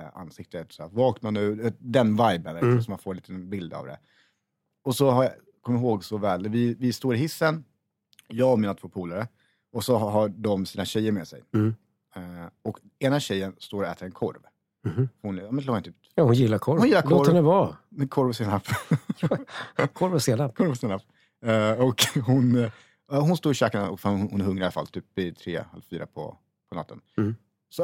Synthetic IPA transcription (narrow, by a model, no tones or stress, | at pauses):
a̰nsɪk̚t̪ət̪sæ̰vɑːknanʉ̟ːd̪ɛnvajbənvɛlk̪sɔmːanfoːɾliːt̪ənbɪld̪a̰vd̪ɛ̰ | ɔsɔɦa | kʰɔmjɪɾɦoːɡsɔvɛːld̪ɛvɪvɪst̪oːɾɪɦɪsːən | jɑːɡɔmiːnat̪ʰvoːpʰuːlaɾə | ɔsɔɦaɖɔmsiːnaɕɛjːəɾmeːsɛ̰j | ɔk | eːnaɕɛjːənst̪oːɾɔɛːt̪əɾɛnkʰɔ̰ɾv | hfɔhʊnjɑːmɛnloːɾaɪt̪ʉːt̪ahʊnjɪlːakʰɔɾhʊnjɪlːaɾlk̪ʰɔɾnɛvaɛkʰɔɾvəseːnap | kʰɔɾvəseːnapkʰɔɾvəseːnap | ɔkɦʊn | ɦʊnst̪oːɾɕɛːkanaɔkfʊhʊnhʊnhɵŋːɾalafa̰lt̪ʰyːp̚vɪt̪ʰɾḛːhɛ̰lfyːɾʔa̰pʰɔ̰ | pʰɔna̰t̪ːən | sɔ